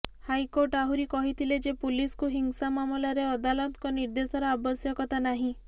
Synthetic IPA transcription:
hajkoɾʈaɦuɾikɔɦit̪ʰiled͡ʒepuliskuɦiŋsamamɔlaɾeɔd̪alɔt̪kɔniɾd̪esɔɾɔabɔsjɔkɔt̪anaɦĩ

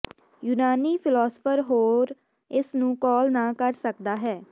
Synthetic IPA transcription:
juːnaːniːpʰɪlɔːsə̥pʰəɾɦoːɾ | ɪsnũːkɔːlnaːkəɾsəkd̪aːɦɛː

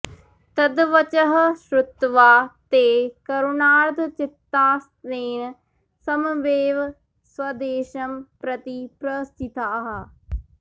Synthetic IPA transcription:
t̪əd̪ʋət͡ʃəɦʃɾʊt̪ːʋaːt̪eːkəɾʊnaːɾd̪t͡ʃɪt̪ːaːs | eːn | səmʋeːʋ | swəd̪eːʃəmpɾət̪ipɾəst̪ʰɪt̪aːɦ

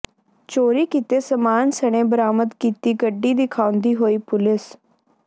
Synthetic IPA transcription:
t͡ʃoːɾiːkiːt̪eːsəmaːnsəɽ̃ẽːbəɾaːməd̪kiːt̪iːɡəɖːiːd̪ɪkʰãːʊ̃nd̪iːɦoːiːpʊlɪs

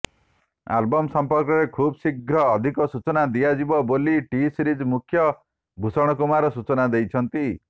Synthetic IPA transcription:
a̰lbɔmsɔmpɔɾkɔɾekʰubsiɡʱɾɔːd̪ʱikɔsut͡ʃɔnad̪iad͡ʒibɔboliʈisɾid͡ʒmukʰjɔ | bʱusɔɽ̃ɔkumaɾɔsut͡ʃɔnad̪ejt͡ʃʰʌnt̪i

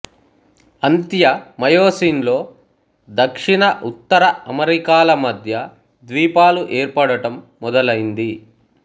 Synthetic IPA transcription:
ɐnt̪jɐmɐjoːsiːnlo̞ː | d̪ɐkʂiɳɐʔut̪ːɐɾɐɐmɐɾikaːlɐmɐd̪ʱjɐ | d̪ʋiːpaːluʔeːɾpɐɽɐʈɐmːɔd̪ɐlɐjind̪i

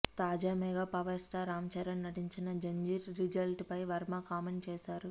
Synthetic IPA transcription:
t̪aːd͡ʒaːmɛɡaːpɐʋɐɾsʈaːɾaːmɐt͡ʃɐɾɐnːɐʈiɲt͡ʃinɐd͡ʒɐɲd͡ʒiɾːid͡ʒɐlʈpɐjʋɐɾmakaːmeɳɖt͡ʃɛːʃaːɾu

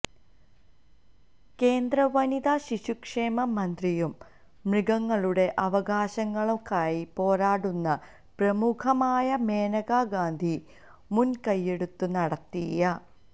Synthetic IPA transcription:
ke̞ːnd̪rɐʋɐnid̪aːɕiɕukʂe̞ːmɐmɐnd̪rijumː | riɡɐŋːɐɭuɽe̞ʔɐʋɐɡaːɕɐŋːɐɭukaːjipo̞ːɾaːɽunːɐ | prɐmukʰɐmaːjɐme̞ːnɐɡaːɡaːnd̪ʱi | munkɐjːe̞ɽut̪ːunɐɽɐt̪ːijɐ

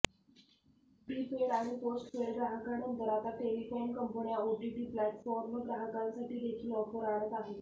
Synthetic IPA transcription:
ʈiːpeɽaɽ̃iposʈʋeɡɾaɦəkanənt̪əɾat̪aʈeʋifajnkəmpənijaoʈiʈiːplæʈfɔɾməɡɾaɦəkalsaʈiːd̪et͡ɕiːlɔpəɾaɽ̃ət̪aɦe

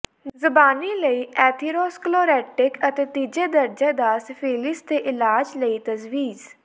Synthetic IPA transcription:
zəbaːniːləiːɛːt̪ʰiːɾoːskloːɾɛːʈɪkət̪eːt̪iːd͡ʒeːd̪əɾd͡ʒaːd̪aːspʰiːlɪst̪eːʔɪlaːd͡ʒləiːt̪əzʋiːz

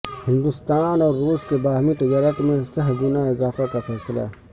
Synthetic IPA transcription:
hɪ̃nd̪ʊst̪aːnɔːɾːuːskebaːɦmiʈɐjaːɾəʈmẽsɐɦɡʊnaɪzaːfakafʰɛːsəla̰

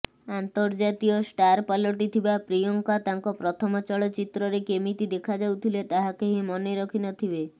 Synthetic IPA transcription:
ant̪ɔɾd͡ʒat̪iɔsʈaɾpalɔʈit̪ʰibapɾijɔŋkat̪aŋkɔpɾɔt̪ʰɔmɔt͡ʃɔɭɔt͡ʃit̪ɾɔɾekemit̪id̪ekʰad͡ʒawt̪ʰilet̪aɦakeɦemɔniɾɔkʰinɔt̪ʰibe

